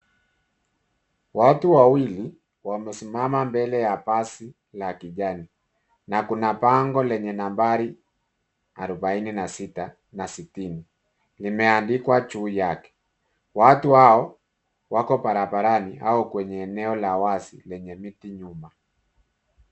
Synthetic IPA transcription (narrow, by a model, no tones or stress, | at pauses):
watuwawili | wamɛsimamambɛlɛjapasi | lakiʄani | nakunapaŋɡɔlɛɲɛnambaɾi | aɾubaininasita | nasitini | limɛandikwat͡ʃuːjakɛ̥ | watuhaɔ | wakɔpaɾabaɾaniaɔkwɛɲɛːnɛɔlawasilɛɲɛmitiɲuma